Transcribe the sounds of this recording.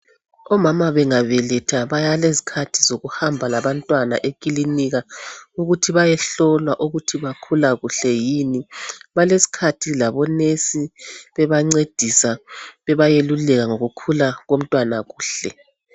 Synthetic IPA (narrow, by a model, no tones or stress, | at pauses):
ɔmamaβɛŋavɛlɛtʰaβajalezi̥kʰatʰizoɣuhambʱalaβantʼwana̰ʔekʼiliniɣauɣutʰiβajɛɬɔlwaʔuɣutʰiβakʰulaɣuɬɛjiːniβalesi̥kʰatʰilaβɔnesiβɛβaŋ͡ǀed̥ʱisaβɛβajelulɛɣaŋoɣukʰulaɣom̩tʼwanaɣuːɬɛ